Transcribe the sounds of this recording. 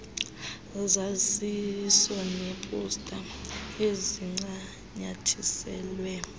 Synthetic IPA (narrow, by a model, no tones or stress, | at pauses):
zazisɔnepʼustʼaeziŋ͡ǀa | ɲatʰisɛ̰ːlwɛ